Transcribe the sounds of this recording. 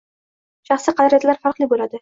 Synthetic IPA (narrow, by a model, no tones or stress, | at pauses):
ʃɑχsiqʰɑd̪ɪɾjat̪laɾfaɾqlˠɪbolad̪ɪ